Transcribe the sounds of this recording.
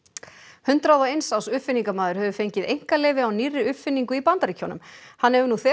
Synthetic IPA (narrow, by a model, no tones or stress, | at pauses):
hʏnt̪ɾawðaejnsawsʏfɪnːiŋkamaːðʏɾ̥hœvʏfejɲcɪðejŋ̥kalɛːjvɪawnirːɪʏfɪnːiŋkʏipant̪aɾicʰownʏ̰mhanːɛvʏɾnuθɛ